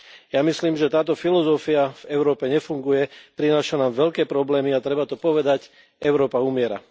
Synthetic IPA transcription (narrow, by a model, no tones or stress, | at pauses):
jamisliːmʒɛt̪aːt̪ɔfilɔzɔfiav̥ɛʊɾɔːpɛɲɛfuŋɡujɛpɾinaːʃanaːmʋɛʎkɛːpɾɔblɛːmiat̪ɾɛbat̪ɔpɔʋɛd̪ac | ɛʊɾɔːpaumɪɛɾa̰